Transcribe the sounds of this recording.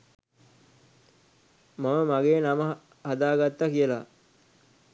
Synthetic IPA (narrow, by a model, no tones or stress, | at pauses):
maməmaɡeːnamə | had̪aːɡat̪ːakijəla